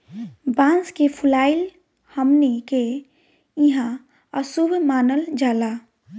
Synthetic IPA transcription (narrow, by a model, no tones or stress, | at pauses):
bãːnskepʰulaːil | həmneke | ĩɦã | əsubʱmaːnəld͡ʒaːla